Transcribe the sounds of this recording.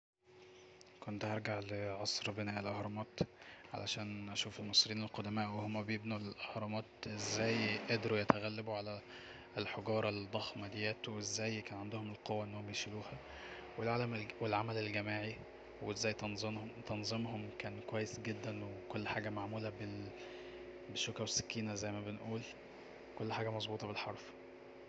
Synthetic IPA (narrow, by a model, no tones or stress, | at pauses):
kont̪hɑɾˤɡaʕleʕɑsˤɾbenæːʔelʔɑhɾˤɑmɑːt̪ʕa̰lʔæ̰ʃæːnʔæʃuːfelmɑsˤɾiːnelqod̪æmæːʔwehomːæbejebnulʔɑhɾˤɑmɑːt̪ʔezːæːjʔæd̪ɾujæt̪æɣælːæbuʕalæ | lħoɡɑːɾˤɑld̪ˤːɑxmæd̪ejæːt̪wezːæːjkæːnʕand̪ohomelqowːæʔenːoomjeʃiluːhæ | welʕaːlæmwelʕamælelɡæmaːʕi | wezːæːj̪zt̪ɑnzˤemɦomkæːnkowæjːesɡed̪ːænwekolːħaːɡæmaʕmuːlæbe | beʃːokɾwesːæ̥kːiːnæzæjːmæbenʔuːl | kolːħaːɡæmɑzˤbuːt̪ˤɑbelħɑɾˤf